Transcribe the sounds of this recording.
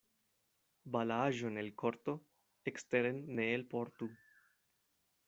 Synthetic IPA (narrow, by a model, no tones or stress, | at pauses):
balaʒonelkoɾt̪o | ekst̪eɾenːeːlpoɾt̪u